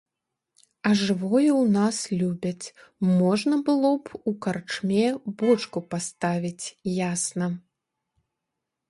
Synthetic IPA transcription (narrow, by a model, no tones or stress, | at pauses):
ɐʐɨvɔjɛwnaslʲubʲɐt͡sʲmɔʐnɐbɨlˠɔpukart͡ʂmʲɛbɔt͡ʂkupast̪avʲit͡sʲjasnɐ